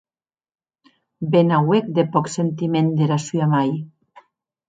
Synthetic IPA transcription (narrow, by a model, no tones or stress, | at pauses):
benawek̚d̪epɔksent̪imend̪eɾasyamaj